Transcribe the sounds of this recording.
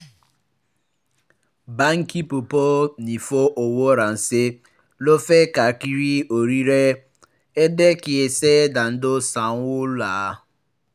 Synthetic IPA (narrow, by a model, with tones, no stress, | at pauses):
ba˦ŋ̩˦ki˦pʊ˨po˦ni˨fo˦ʔo˨wo˦ɾa˨n̩˨sɪ˦ | lo˦fe˦ka˨ki˦ɾi˦o˨ɾi˦ɾe˦ | e˦de˦kɪ˨e˨se˦da˨n̩˦dʊ˦sa˨ŋ˦wʊ˦la˨˦